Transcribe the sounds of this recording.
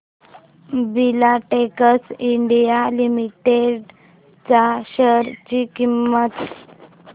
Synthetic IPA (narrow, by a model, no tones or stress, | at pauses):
bilaʈekəsiɳɖijalimiʈeɖ | t͡saɕəɾt͡ɕikimːət̪